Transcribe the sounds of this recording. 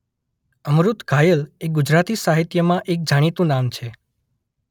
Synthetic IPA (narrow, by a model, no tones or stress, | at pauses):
əmɾut̪ɡʱajəleɡud͡ʒɾat̪isaɦit̪jəmãʔek̚d͡ʒaɽ̃it̪ũnamt͡ʃʰe